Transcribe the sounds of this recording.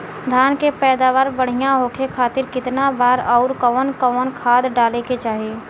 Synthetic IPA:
d̪ʱjaːnkepɛːd̪aːʋaːɾbəɽ̤ijãɦoːkʰekʰaːt̪ɪɾkɪt̪nabaːɾɔʊɾkəʋənkəʋənkʰaːd̪ɖaːleket͡ʃaːɦieː

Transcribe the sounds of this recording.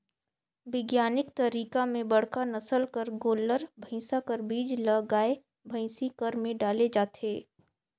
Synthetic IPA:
ʋɪɡjaːnɪkt̪ɐɾiːkamẽbɐɽ̤kanɐsəlkəɾɡoːləɾbʱə̃ɪ̃sakəɾbiːd͡ʒlɐɡaːe | bʱə̃ɪ̃sikəɾmẽɖaːled͡ʒaːt̪eː

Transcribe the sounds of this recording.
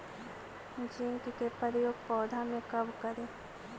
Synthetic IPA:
d͡ʒɪŋkkepəɾjoːɡ̚pɔːd̪ʱamẽkɐbkəɾeː

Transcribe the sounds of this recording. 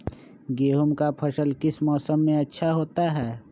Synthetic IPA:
ɡeːɦʊmkapʰɐʃəlkɪsmɔːsəmːẽɐtːʃʰaɦoːt̪aɦɛː

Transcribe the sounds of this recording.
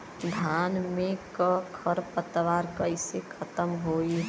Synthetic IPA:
d̪ʱanmẽkəkʰəɾpət̪ːʋaːɾkəɪsekʰət̪əmɦoi

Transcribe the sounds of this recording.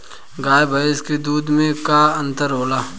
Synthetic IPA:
ɡaːjebʱaɪsked̪uːd̪mẽkaɐ̃nt̪əɾɦoːlaː

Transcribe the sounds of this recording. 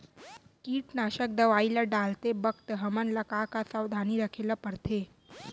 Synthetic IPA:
kiːʈnaʃəkd̪əʋailaɖalt̪ebəkt̪ɦəmənlakakasawd̪ʱaniɾəkʰelapəɾt̪ʰe

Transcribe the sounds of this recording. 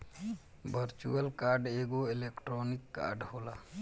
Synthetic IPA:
bʱəɾt͡ʃṵəlkaːɾɖeɡoɪleːkʈɾoːnɪkːa̰ːɾɖhoːla

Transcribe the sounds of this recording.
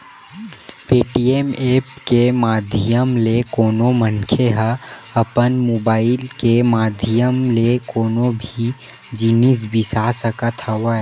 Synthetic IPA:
peːʈiemeːpkemaːd̪ʱɪjəmlekoːnomənkʰeɦaɐpənmoːbaːɪlkemaːd̪ʱijəmlekoːnobʱi | d͡ʒinisbɪsasəkət̪ʰaʋaɛ

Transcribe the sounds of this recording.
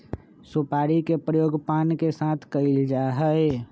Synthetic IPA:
sopaɾikepɾəjoːɡpankesat̪ʰkəɪld͡ʒaɦəe

